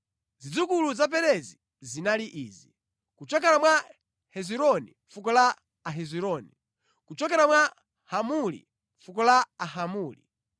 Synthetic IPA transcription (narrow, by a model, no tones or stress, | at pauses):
zid͡zukuluzap̬ɛɾɛzi | zinaliʔiːzi | kut͡ʃɔk̬ɛɾamwa | hɛziɾɔnḭmfukɔlaː | ɦɛziɾɔni | kut͡ʃɔkɛɾamwa | hamulḭ | fukɔlaaɦamuːlḭ